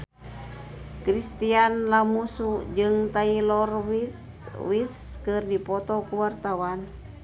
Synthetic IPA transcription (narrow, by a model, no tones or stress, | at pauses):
kɾist̪ianlamusud͡ʒɨŋt̪ailɔrwis | wiskɨrdipɔt̪ɔkuwart̪awan